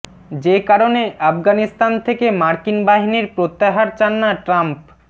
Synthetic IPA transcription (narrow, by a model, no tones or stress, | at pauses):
d͡ʑekaɾoneʔafɡanist̪ant̪ʰekemaɾkinbaɦiniɾpɾot̪ːaɦaɾt͡ɕanːaʈɾamp